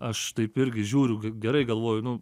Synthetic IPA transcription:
ɐʃt̪ɐɪpɪɾʲɡʲɪʒʲuːɾʲʊɡʲɡʲɛɾɐɪɡɐlˠʋoːjʊnʊ

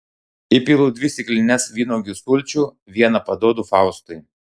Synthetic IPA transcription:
ɪpʲiːlˠuːd̪ʲʋʲɪsʲɪklʲɪnʲɛsʋʲiːnoːɡʲɪsʊlʲt͡ʃʲuː | ʋʲiɛnɐpɐd̪oːd̪ufɑˑʊst̪ʊɪ

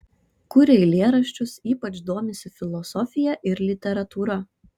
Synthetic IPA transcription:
kʊɾʲɛɪlʲeːɾɐʃʲt͡ʃʲʊsiːpɐt͡ʃd̪oːmʲɪsʲɪfʲɪlˠɔsɔfʲɪjɛʔɪɾlʲɪt̪ʲɛɾɐt̪uːɾɐ

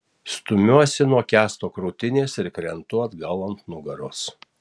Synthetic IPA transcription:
st̪ʊmʲuɔsʲɪnuɔkʲæːst̪oːkɾuːt̪ʲɪnʲeːsɪɾkɾʲɛnt̪ʊɐd̪ɡɐlˠɐnt̪nʊɡɐɾʊs

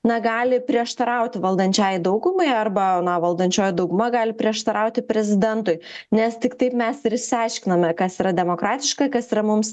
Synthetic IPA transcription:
nɐɡɑːlʲɪpʲɾʲiɛʃt̪ɐɾɐʊt̪ʲɪʋɐlˠd̪ɐnʲt͡ʃʲaːjd̪ɐʊɡʊmɐɪɐrbɐnɐʋɐlˠd̪ɐnʲt͡ʃʲoːjd̪ɐʊɡʊmɐɡɑːlʲɪpʲɾʲiɛʃt̪ɐɾɐʊt̪ʲɪpʲɾʲɛzʲɪd̪ʲɛnt̪ʊɪnʲɛst̪ʲɪkt̪ɐɪpmʲɛsɪɾɪʃʲsʲɪɑɪʃʲkʲɪnɐmʲɛkɐsiːɾɐd̪ʲɛmoːkɾɑːt̪ʲɪʃkɐkɐsiːɾɐmʊms

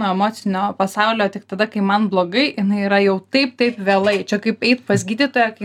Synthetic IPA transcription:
oːɛmoːt͡s̪ʲɪnʲoːpɐsɐʊlʲoːt̪ʲɪk̚t̪ɐd̪ɐkɐɪmɐnblˠoːɡɐɪjɪnɐɪiɾɐjɛʊt̪ɐɪpt̪ɐɪpʋʲeːlˠɐɪt͡ʃʲɛkɐɪpɛɪt̪pɐsʲɡʲiːd̪ʲiːt̪oːjɛkɐɪ

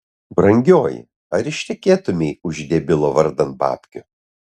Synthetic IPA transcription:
bɾɐŋʲɡʲoːjɪ̰ | ɐɾɪʃʲt̪ʲɛkʲeːt̪ʊmʲeɪʊʒʲd̪ʲeːbʲɪlˠoːʋɐɾd̪ɐnt̪̚bɑ̰ːpʲkʲʊ

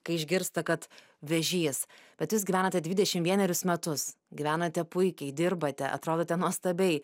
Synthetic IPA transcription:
kɐɪɪʒʲɡʲɪɾst̪ɐkɐt̪ | ʋʲɛʒʲiːsb̥ʲɛt̪jus̬ɡʲiæːnɐtʲɛd̪ʲʋʲɪd̪ʲɛʃʲɪmʋʲiɛnʲɛɾʲʊsmʲɛt̪ʊs | ɡʲɪʋʲæːnɐt̪ʲɛpʊɪkʲɛɪd̪ʲɪɾbɐt̪ʲɛʔɐ̰t̪ɾoːd̪oːt̪ʲɛnuɔst̪ɐbʲɛɪ

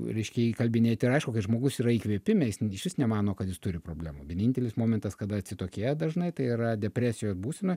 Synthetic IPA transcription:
ɾʲɛɪʃʲkʲɛikɐlʲbʲɪnʲeːt̪ʲɪɾɐɪʃkʊkɐɪʒmoːɡʊsiːɾɐiːkʋʲiɛpʲɪmʲɛjɪsɪʃʲʋʲɪsnʲɛmɑːnoːkɐt̪jɪst̪ʊɾʲɪpɾoːbʲlʲæ̰ːmuʋʲiɛnʲɪnʲt̪ʲɛlʲɪsmoːmʲɛnt̪ɐskɐd̪ɐɐt̪ʲsʲɪt̪oːkʲeːjɛd̪ɐʒnɐɪt̪ɐɪiːɾɐd̪ʲɛpʲɾʲæːsʲɪjoːsbuːsʲɛnoː

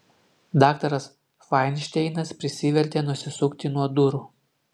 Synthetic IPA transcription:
d̪ɑːkt̪ɐɾɐs | fɑɪnʲʃʲt̪ʲɛɪnɐspʲɾʲɪsʲiʋʲɛɾʲt̪ʲenʊsʲɪsʊkt̪ʲɪnuɔd̪ʊɾuː

